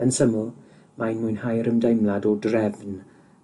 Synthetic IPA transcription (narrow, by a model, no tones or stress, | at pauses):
ənsəmʊlˠ | majnmujnhajɾəmdejmladɔdrɛvn